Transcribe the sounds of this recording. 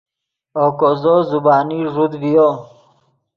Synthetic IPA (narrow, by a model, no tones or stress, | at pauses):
okozɔzubaːniʐud̪vijo